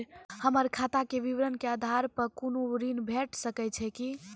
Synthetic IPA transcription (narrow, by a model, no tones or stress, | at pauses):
həməɾkʰat̪akeʋiʋɾənkead̪ʱaɾpəkonoɾinbʱeʈsəkɛt͡ʃʰɛki